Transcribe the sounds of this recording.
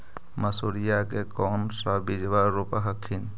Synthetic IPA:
məsuɾijakekɔnsɾabid͡ʒʋaɾupaɦəkʰːin

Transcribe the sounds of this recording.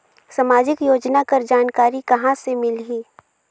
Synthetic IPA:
sɐmaːd͡ʒɪkjoːd͡ʒnakɐɾd͡ʒaːnkaːɾikɐɦãsemɪlɦiː

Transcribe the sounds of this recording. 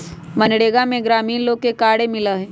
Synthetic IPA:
mɐnɽeːɡamẽɡɾaːmiːnloːɡ̚kekaːɽemɪlaɦɛ̃ː

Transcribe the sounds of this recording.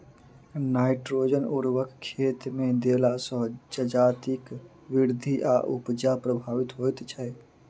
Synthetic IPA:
naːɪʈɾod͡ʒənuɾwəkkʰːet̪med̪elasə̃d͡ʒəd͡ʒat̪ik | ʋiɾd̪ʱiʔa̰ʔupd͡ʒapɾəbʱaːʋit̪ɦojt̪t͡ʃʰɛ

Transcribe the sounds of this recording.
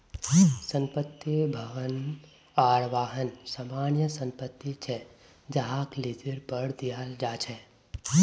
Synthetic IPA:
sə̃mpət̪ːjəbʱɐʋən | aːɾʋaːɦənsaːmaːnjəsə̃mpət̪ːit͡ʃʰɛ | d͡ʒaɦaklid͡ʒəɾpəɽd̪ijaːld͡ʒaːt͡ʃʰɛː

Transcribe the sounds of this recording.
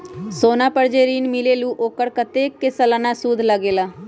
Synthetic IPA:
soːnaːpəɾd͡ʒeːɾiːnmɪleːluːʔoːkəɾkət̪eːkɪsələnaːsuːd̪ʱləɡeːlaː

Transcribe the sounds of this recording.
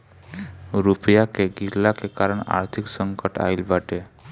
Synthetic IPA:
ɾupjakeɡiɾlakekaɾəɽ̃a̰ɾt̪ʰiksə̃ŋkəʈa̰ilbaʈe

